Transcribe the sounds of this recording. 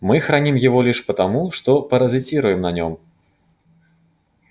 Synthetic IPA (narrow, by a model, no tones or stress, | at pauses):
mɨxɾanʲimjavɔlʲiʂpɐt̪amuʂt̪ɔpɐɾɐzʲɨt͡sʲiɾujɛmnɐnʲɔm